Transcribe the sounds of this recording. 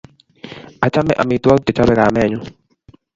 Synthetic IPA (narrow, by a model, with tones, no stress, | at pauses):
a˨t͡ʃa˦mɛ̰˨ʔa̰˨mi˨t̪wɔ˦t̪e˨t͡ʃa˦bɛ˦ɾa˨mɛ˦˨ɲʊ˦